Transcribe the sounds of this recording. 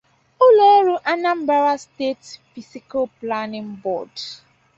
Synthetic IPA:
ʊ˦lo˦ɾu˨ʔa˨na˦m̩˦ba˦ɾa˦ste˦tfi˨si˦ko˦pla˦nɪ̃˦nbɔ̰˨d

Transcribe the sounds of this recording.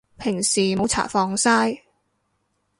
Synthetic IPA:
pʰɪ˨˩ŋsiː˨˩mo˨˥wt͡sʰa̰ː˨˩fɔː˧ŋsaː˥j

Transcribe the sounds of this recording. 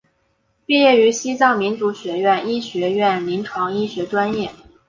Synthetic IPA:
pi˥˧jɛ˥˩y˧˥ɕi˥t͡sɑ˥˩ŋmi˧˥nt͡su˧˥ɕɥɛ˧˥ɥɛ˥˩ni˥ɕɥɛ˧˥ɥɛ˥˩nli˧˥nʈ͡ʂʰwɑ˧˥ŋi˥ɕɥɛ˧˥ʈ͡ʂwa˥njɛ˥˩

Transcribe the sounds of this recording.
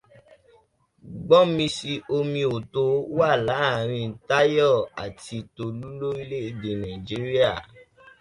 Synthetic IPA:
ɡ͡bɔ˦mĩ˧si˧ʔo˧mĩ˧o˨to˧˦wa˦˨la˨˦˨ɾ̃ĩ˧n̩˨˦ta˦jɔ˦˨a̰˨ti˧to˧lu˦lo˦i˧le˦i˧de˨nã˨i˨d͡ʒi˨˦ɾi˦a˦˨

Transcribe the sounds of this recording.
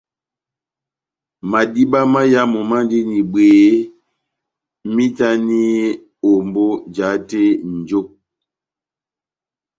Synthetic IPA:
ma˨di˦ba˦ma˦ja˦mɔ˨ma˦n˦di˦ni˨beː˨˦ | mi˦ta˦ni˦ | o˨mbo˦d͡ʒa˨˦te˦n̩˨d͡ʒo˦

